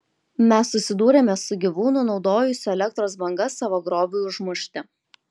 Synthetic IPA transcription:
mʲɛsːʊsʲɪd̪uːɾʲemʲɛsʊɡʲiʋuːnʊnɒʊd̪oːjʊsʲʊɛlʲɛk̚t̪ɾoːs̬bɐŋɡɐsːɑːʋoːɡɾoːbʲuʊʒmʊʃʲt̪ʲɪ

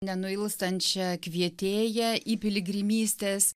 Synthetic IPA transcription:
nʲɛnʊɪlˠst̪ɐnʲt͡ʃʲɛkʋʲiɛt̪ʲeːjɛʔiːpʲɪlʲɪɡɾʲɪmʲiːsʲt̪ʲeːs

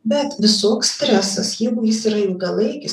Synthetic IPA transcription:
bʲɛt̪ʋʲɪsoːkssʲt̪ʲɾʲæsɐsjɛɪɡʊjɪsɪɾɐɪlˠɡɐlˠɐɪkʲɪ

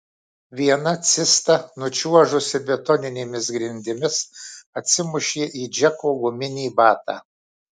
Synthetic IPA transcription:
ʋʲiɛnɐt̪sʲɪst̪ɐnʊt͡ʃʲuɔʒʊsʲɪbʲɛt̪ɔnʲɪnʲeːmʲɪsɡɾʲɪnʲd̪ʲɪmʲɪsɐt̪ʲsʲɪmʊʃʲeːʔiːd͡ʒʲɛkoːɡʊmʲɪnʲiːbɑːt̪ɑ̰ː

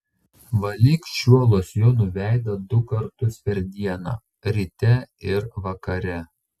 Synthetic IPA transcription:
ʋɐlʲiːkʃʲuɔlˠoːsjoːnʊʋʲæˑɪd̪ɐd̪ʊkɐɾt̪ʊspʲɛɾʲd̪ʲiɛnɑ̰ː | ɾʲɪt̪ʲɛɪɾʋɐkɐɾʲɛ

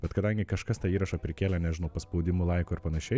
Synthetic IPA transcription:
b̥ʲɛt̪kɐd̪ɐŋʲɡʲɪkɐʃkɐst̪ɑːiːɾɐʃɐpʲɾʲɪkʲeːlʲɛnʲɛʒʲɪnoʊpɐspoʊd̪ʲɪmʊlˠɐɪkoːɪɾpɐnɐʃʲɛɪ

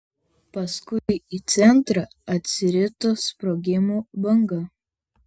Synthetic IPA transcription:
pɐskʊɪit̪sʲɛnˑt̪ɾɑ | ɐt̪ʲsʲɪɾʲɪt̪ospɾɔːɡʲɪmuːbɐŋɡɐ

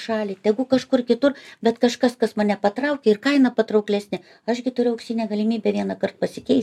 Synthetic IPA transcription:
ʃɑːlʲit̪ʲɛɡʊkɐʃkʊrkʲɪt̪ʊrbʲɛt̪kɐʃkɐskɐsmɐnʲɛpɐt̪rɐʊkʲɛɪrkɐɪnɐpɐt̪ɾɐʊklʲæːsʲnʲɪ | ɐʃɡʲɪt̪ʊɾʲʊɐʊkʲsʲiːnʲɛːɡɐlʲɪmʲiːbʲɛːʋʲiɛnɐkɐrt̪̚pɐsʲɪkʲɛɪs

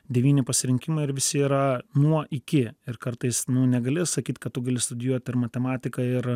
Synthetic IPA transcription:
d̪ʲɛʋʲiːnʲɪpɐsʲɪɾʲɪŋʲkʲɪmɐɪɪɾʋʲɪsʲɪiːɾɐnuɔʔɪkʲɪɪrkɐɾt̪ɐɪsnʊnʲɛɡɐlʲɪsɐkʲiːt̪ʲkɐt̪̚t̪ʊɡɐlʲɪst̪ʊd̪ʲɪjuɔt̪ʲɪɾmɐt̪ʲɛmɑːt̪ʲɪkɐɪɾ

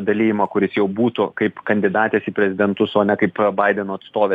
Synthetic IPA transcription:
d̪ɐlʲiːjɪmɐkʊɾʲɪsjɛʊbuːt̪ʊkɐɪpkɐnʲd̪ʲɪd̪ɑːt̪ʲeːsiːpʲɾʲɛzʲɪd̪ʲɛnt̪ʊsoːnʲɛkɐɪpbɐɪd̪ʲɛnoːɐt̪st̪oːʋʲeː

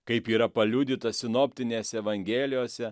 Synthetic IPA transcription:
kɐɪpiːɾɐpɐlʲuːd̪ʲɪt̪ɐsʲɪnoːpʲt̪ʲɪnʲeːsʲɛɛʋɐŋʲɡʲɛːlʲɪjoːsʲɛ

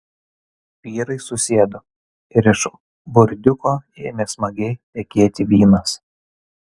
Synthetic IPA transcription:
ʋʲiːɾɐɪsʊsʲeːd̪o | ɪɾɪʃ | bʊɾʲd̪ʲʊkoːeːmʲeːsmɐɡʲɛɪt̪ʲɛkʲeɛt̪ʲɪʋʲiːnɐs

